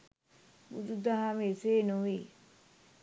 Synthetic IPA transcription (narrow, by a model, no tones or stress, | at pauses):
bud̪ud̪aɦamieseːnuʋi